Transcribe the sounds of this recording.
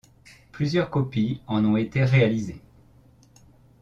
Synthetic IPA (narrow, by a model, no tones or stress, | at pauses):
plyzjœʁkɔpiɑ̃nɔ̃et̪eʁealize